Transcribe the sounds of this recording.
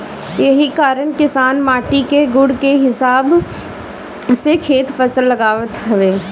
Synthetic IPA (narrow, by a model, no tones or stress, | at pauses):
jɐɦikaːɾəɳkɪsaːnmaːʈikeɡʊɽkeɦɪsaːb | sekʰeːt̪fɐsəlːɐɡaːʋət̪ɦɐʋeː